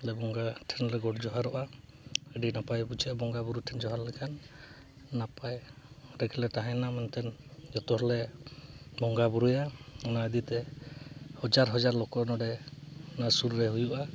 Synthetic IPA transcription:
lɛbɔŋɡaʈʰɛnɾɛɡɔʈd͡ʒɔɦaɾɔʔa | əɖinapajbut͡ʃʰɛbɔŋɡabuɾuʈʰɛnd͡ʒɔɦaɾlɛkʰanː | apajɾɛɡɛlɛʈaɦɛnamɛnt̪ʰɛnd͡ʒɔt̪ɔɦɔlɛ | bɔŋɡabuɾujaɔnaəd̪it̪ɛ | hɔd͡ʒaɾɦɔd͡ʒaɾlɔkɔnɔɖɛnasuɾːɛɦujuʔa

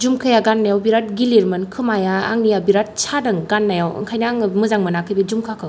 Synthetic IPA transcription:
d͡ʒumkʰɯjaɡanːajawbiɾat̚ɡiliɾmɯnkʰɯmajaa̰ŋnijabiɾat̚sʰadɯŋɡanːajawɯ̰ŋkʰajnaŋmɯzaŋmɯnakʰɯjbed͡ʒumkʰakʰɯw

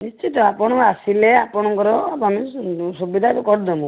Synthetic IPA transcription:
nist͡ʃit̪ɔapɔɽ̃ɔasileapɔɽ̃ɔŋkɔɾɔpɔmisubid̪ʱak̪ukɔɾd̪ɔmũ

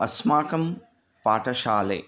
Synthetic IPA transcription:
ɐsmaːkɐm | paːʈɐʃaːlḛː

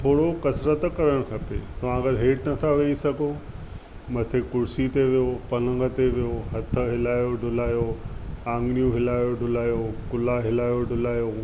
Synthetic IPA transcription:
t̪ʰoːɽokɐsɾət̪kɐɾəɽ̃kʰɐpḛt̪ɐʋ̤ãɐɡəɾɦeːʈnɐt̪ʰaʋeisɐɡʱo | mɐt̪ʰekʊɾsit̪eʋijopɐlə̃ŋɡət̪eʋijoɦɐt̪ʰə̆ɦɪlaːjoɖʱʊlaːjoãːŋɡɽ̃ijũɦɪlaːjoɖʱʊlaːjokʊlaɦɪlaːjoɖʱʊlaːjo

